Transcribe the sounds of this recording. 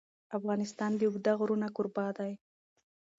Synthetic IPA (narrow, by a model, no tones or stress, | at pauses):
afɣɑnɪst̪ɑnd̪əʊɡd̪aɣɾunakʊɾbɑd̪aj